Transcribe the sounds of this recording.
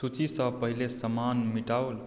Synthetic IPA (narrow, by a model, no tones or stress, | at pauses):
sut͡ʃisə̃pəɦilesəmanmiʈaʊl